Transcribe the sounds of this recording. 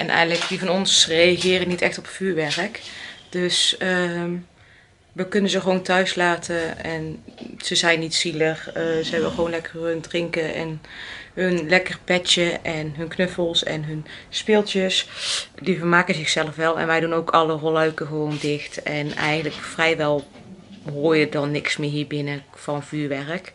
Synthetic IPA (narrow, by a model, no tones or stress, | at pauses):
ʔɛnʔɛ̰jləkdivɑnɔnsrejaɣɪːrənitɛxtɔpfyːɹʋɛrkd̥øsə | ʋəkɵnənzəɣəʋowntœɥslaːtəɛnz̥əzɛjnitsiləχzəɦɛbənχəʋownlɛkərəndrɪŋkəʔɛ̰nɦɵnlɛkərpɛtəʔɛnɦɵnknɵfəlˠsɛ̰nɦɵnspɪlˠtjəsdivərmaːkəzɪxsɛləfʋɛlˠɛ̰nʋɛjdunowkʰɑlərolœɥkəɣəʋowndɪxtɛnɛ̰jχənləkfrɛjʋɛlˠ | ɦoːjədɑnːɪksmɪːɹɦiːɹbɪnə | fɑnnvyːɹʋɛrk